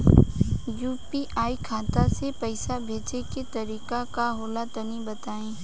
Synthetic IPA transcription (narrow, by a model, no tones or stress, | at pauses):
juːpiʔaːikʰaːt̪asepəɪsabʱeːt͡ʃeket̪ɐɾiːkakaɦoːlat̪ɐnibɐt̪aːẽː